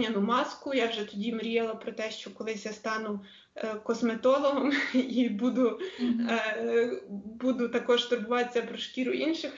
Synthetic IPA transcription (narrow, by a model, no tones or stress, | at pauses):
ɐnʊmɑskʊjɑwʒɛt̪ɔdʲimɾʲijɛlˠɐpɾɔt̪ɛʃt͡ʃɔkɔlˠɪsʲjast̪ɑnʊ | kɔsmet̪ɔlˠɔɦɔmibud̪ʊ | bud̪ʊt̪ɐkɔʃt̪ʊɾbʊʋɑt̪et͡sʲːɐpɾɔʃkʲiɾʊʔinʃɪx